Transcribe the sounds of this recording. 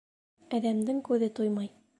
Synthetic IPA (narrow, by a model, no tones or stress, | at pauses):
æðæmd̪ɘŋkʉðɘt̪ujmɑj